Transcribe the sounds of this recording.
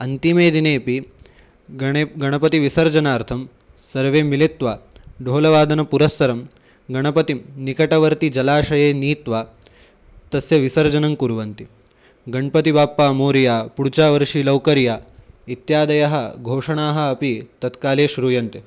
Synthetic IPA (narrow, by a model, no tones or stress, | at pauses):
ɐnt̪imeːd̪ineːpi | ɡɐɳɐpɐt̪iʋisɐɾd͡ʒɐnaːɾt̪ʰɐm | sɐɾʋeːmilit̪ʋaːɖʱoːlɐʋaːd̪ʱɐnɐpuɾɐsːɐɾɐm | ɡɐɳɐpɐt̪imnikɐʈɐʋɐɾt̪id͡ʒɐlaːʃɐjeːniːt̪ʋaː | t̪ɐsjɐʋisɐɾd͡ʒɐnɐmkuɾʋɐnt̪i | ɡɐɳpɐt̪ibaːpːaːmoːɾijaːpuɽt͡ʃaːʋɐɾʂilɐwkɐɾjaːit̪jaːd̪ɐjɐɦɐɡʱoːʂɐɳaːɦɐ̆ːpit̪ɐt̪kaːleːʃɾuːjɐnt̪e